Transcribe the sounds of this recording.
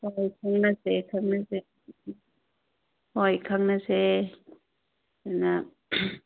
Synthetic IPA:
hɔjkʰaŋnasekʰaŋnase | hɔjkʰaŋnase | ɛna

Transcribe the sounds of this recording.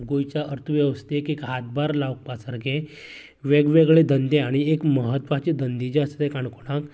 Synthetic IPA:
ɡojt͡ɕaʔəɾt̪ʰuʋjəʋəst̪ekekɦat̪̚baɾlaʋk̚pasəɾɡe | ʋeɡʋeɡɭed̪ənd̪eaɽ̃iekməɦət̪ʋat͡ɕid̪ənd̪id͡ʑast̪ekaɳkoɽ̃ak

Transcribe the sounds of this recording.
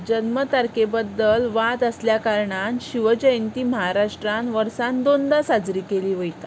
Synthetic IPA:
d͡ʑənmət̪aɾkebəd̪ːəlʋad̪əsljakaɾɳanɕiʋəd͡ʑəjnt̪iːməɦaɾaʂʈɾanʋəɾsand̪ond̪asad͡zɾiːkeliːʋəjt̪a̰

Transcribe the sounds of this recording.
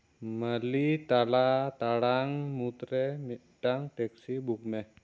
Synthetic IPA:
məlit̪alat̪aɽaŋmut̪ɾɛmi | ɖ̥aŋtɛksibuk̚mɛh

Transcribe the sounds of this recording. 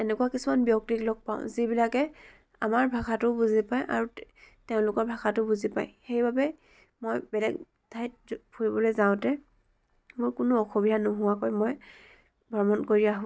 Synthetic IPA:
ɛnɛkʊwakisumanbjɔk̚tiklɔɡ̚pa̰ʊ̃zibilakɛ | a̰maɹbʱaxʰatʊbuzipajʔa̰ɹutɛʊ̃lʊkɔɹbʱakatʊbuzipa̰jxejbabɛ | mɔjbɛlɛɡ | dʰʱajt̚pʰuɹibɔlojzaʊ̃tɛ | mʊɹkʊnʊɔxobidʱanɔɦʊwakojmɔj | bʱɔɹmɔnkoɹiaɦʊ̃

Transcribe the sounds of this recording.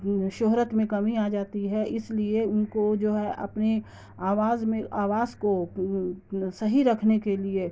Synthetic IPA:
ʃoːɦɾət̪mẽkɐmiaːd͡ʒaːt̪iɦɛʔɪslieʊnkod͡ʒoːɦɛʔɐ̰pne | aːʋaːzmẽaːʋaːzko | sɐɦiɾɐkʰnekelie

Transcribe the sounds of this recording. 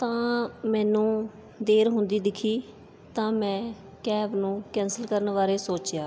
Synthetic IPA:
t̪ãːmɛ̃ːnũː | d̪eːɾɦʊnd̪iːd̪ɪkʰiː | t̪ãːmɛ̃ː | kɛːbnũːkɛ̃ːnsəlkəɾənʋaːɾeːsoːt͡ʃjaː

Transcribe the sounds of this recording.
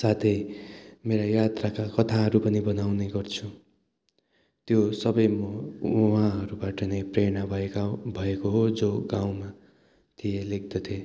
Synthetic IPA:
sat̪ʰʌjmeɾajat̪rakakʌt̪ʰaɦʌɾupʌnibʌnawneɡʌrt͡sʰu | t̪josʌbʌjmʌɦãɦʌɾubaʈʌnepreɽ̃abʱʌekabʱʌekoɦod͡zoɡãw̃ma | t̪ʰijeleɡ̚d̪ʌt̪ʰe

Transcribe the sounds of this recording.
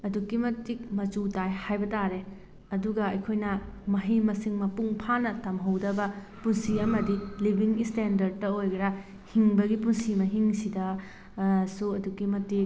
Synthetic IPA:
ɐdukːimɐtik̚mɐt͡ʃutajhajbɐtaɾe | ɐduɡɐɐjkʰojnɐmɐɦimɐsiŋmɐpuŋpʰanɐtɐmɦɐwdɐbɐ | punsiɐmɐdilibʱiŋistendɐɾd̚tːɐojɡɐɾɐ | hiŋbɐɡipunsimɐɦiŋsidɐ | suɐdukimɐtik̚

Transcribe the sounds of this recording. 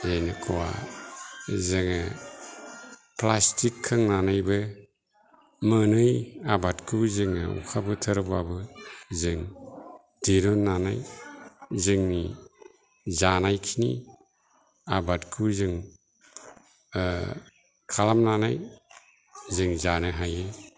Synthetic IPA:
zajnɯkʰɔwa̰ | zɯŋa | plastikʰːɯŋnanajbɯ | mɯnɯjabatkʰuzɯŋaṵkʰabɯtʰəɾbabɯzɯŋ | diɾɔnːanaj | zɯŋni | zanajkʰinḭ | abatkʰuzɯŋ | kʰalamnanaj | zɯŋzanɯɦajɯ

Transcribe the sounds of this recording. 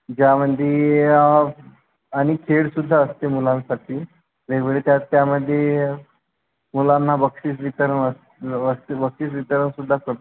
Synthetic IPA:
d͡ʑjaməd̪ʱːje | aɽ̃ikʰeɽsud̪ʱːaəst̪emulãnsaʈʰiː | beɡʋeɭet̪jat̪ːjaməd̪ʱːje | mulanːabəkʂiːt͡sʋit̪əɾənəs | əsbəkʂiːt͡sʋit̪əɾənsud̪ʱːakəɾt̪

